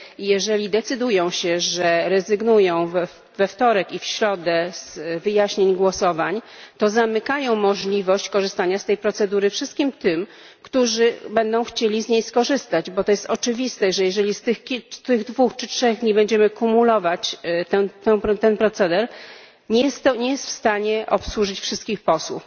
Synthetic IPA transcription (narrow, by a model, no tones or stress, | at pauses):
jɛʐɛlʲid̪ɛt̪sɘd̪ujɔ̃w̃ɕɛʐɛɾɛzɘɡnujɔ̃w̃v | vɛft̪ɔɾɛkifɕɾɔd̪ɛz̥vɘjaɕɲeɲɡwɔsɔvaɲt̪ɔzamɘkajɔ̃w̃mɔʐlʲivɔɕt͡ɕkɔʐɨst̪aɲast̪ɛjpɾɔt̪sɛd̪uɾɘfʂɘst̪̚kʲimt̪ɘm | kt̪uʐɘbɛnd̪ɔ̃w̃xt͡ɕelʲizɲejskɔʐɘst̪ad͡ʑbɔt̪ɔjɛst̪ɔt͡ʂɘvʲist̪ɛʐɛjɛʐɛlʲist̪ɘxkʲit̪ɘɣd̪vuxt͡ʂɘtʂɛɣd̪ɲibɛɲd͡ʑɛmɘkumulɔvat͡ɕt̪ɛt̪ɛ̃t̪ɛnpɾɔt̪sɛd̪ɛɾ | ɲɛjɛst̪ːɔɲɛjɛst̪fst̪aɲɛʔɔpswuʐɘt͡ɕfʂɘst̪kʲixpɔswṵf